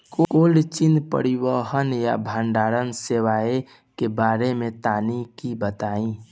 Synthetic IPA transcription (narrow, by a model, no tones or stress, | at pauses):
kokolt͡ʃinpə̰ɾiwəɦənja̰bʱaːnɖaːɾənsewae | kebaːɾemet̪aːnikibət̪aːĩ